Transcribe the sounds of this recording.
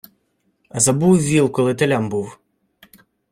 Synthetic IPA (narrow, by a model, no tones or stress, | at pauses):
ɐzɐbuwʋʲilˠkɔlˠɪt̪elʲambuw